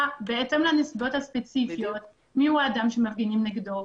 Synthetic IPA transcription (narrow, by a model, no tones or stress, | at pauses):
beʔet̪emlanisibo̞t̪haspet͡sifijot̪ | miuaːd̪amʃemafɡinimneɡd̪o